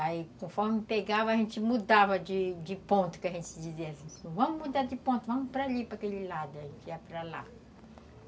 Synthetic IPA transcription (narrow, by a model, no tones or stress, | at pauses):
aikõfɔɾmɪpeɡavɐʒẽnt͡ʃ̪ɪmud̪avɐd͡ʒɪd͡ʒɪpõnt̪ʊ̥kɪɐʒẽsd͡ʒiziɐsĩsĩvɐ̃mʊmud̪aɾd͡ʒɪpõt̪ʊvɐ̃mʊpɾɐlipɾɐkelɪlad̪ʊɐʒẽnt͡ʃɪiɐpɾala̰